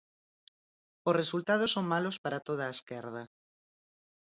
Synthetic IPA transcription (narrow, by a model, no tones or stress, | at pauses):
osresult̪að̞osoŋmalospaɾat̪oð̞aːeskɛɾð̞ɐ